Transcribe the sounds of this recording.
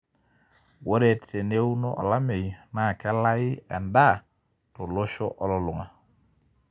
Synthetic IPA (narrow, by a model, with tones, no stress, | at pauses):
wo˦ɾe˨tːe˨ne˦wu˦no˦ʔɔ̰˨la˦me˨jna˨ke˦la˦ji˦e˨nda˦˨ | to˨lo˦ʃo˦ʔɔ˦lo˨lu˨ŋa˨